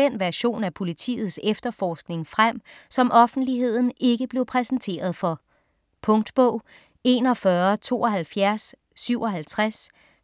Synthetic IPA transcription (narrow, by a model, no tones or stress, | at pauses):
enʋæɐɕo̝̰ːnæpʰo̝lit͡sʰḭːð̞̩ˠsefd̥ɐfɒːsɡ̥ne̝ŋfʁam̰sɒ̽mʔɒ̽fn̩d̥liɦe̝ð̞̰ˠn̩e̝ɡ̥əb̥le̝ʊpʰʁɛsn̩t͡sʰe̝̰ːɐð̞ˠfɒ̽ | pʰɔ̽ŋd̥b̥ɔ̽ʊ̰ | e̝ːnɒ̽fɶɐt͡sʰo̝̰ːɒ̽ɦælfjæɐsː | yʊɒ̽ɦælt͡sʰʁas